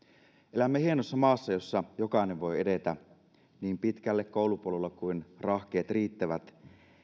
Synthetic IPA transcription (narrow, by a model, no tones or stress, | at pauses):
ʔelæmːehienosːɑmɑːsːɑjo̞sːɑjokɑineʋʋo̞jedet̪æ | niːmpit̪kælːekkːoˑulupuolelːekuinrɑxk̟eːt̪riːt̪ːæʋæt̪